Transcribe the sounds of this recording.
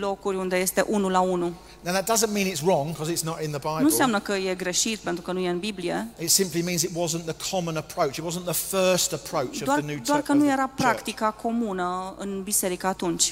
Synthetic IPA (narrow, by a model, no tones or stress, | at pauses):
lo̞kuɾʲund̪e̞je̞st̪e̞̰ʔunulaunu | naʊðət̚d̥ʌzə̃nmĩnɪtsɹɔ̃ŋkʰɒzɪtsnəɾɪ̃nðəbaɪbnunsjamnəkəje̞ɡɾe̞ʃit̪̚pe̞nt̪ɾukənujeɨnbiblie̞̰ɪtsɪ̃mplimĩnzɪt̚wɒzə̃nðəkʰɑmə̃nəpʰɹ̥əʊt͡ʃɪt̚wɒzə̃nðəfɜˑ˞stəpʰɹ̥əʊt͡ʃdəvoarnʉd̪oarkənuje̞ɾapɾakt̪ikakʰo̞munəɨnbise̞ɾikaːt̪unt͡ʃʲ